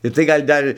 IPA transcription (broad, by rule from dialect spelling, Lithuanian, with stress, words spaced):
ɪr tɐɪ ˈɡɐlʲ ˈdɐr